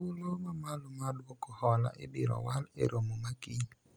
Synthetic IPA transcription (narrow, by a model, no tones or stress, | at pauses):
ulomamalomaduɔkɔhɔla̰ʔḛbiɾɔ̰walḛɾomomaki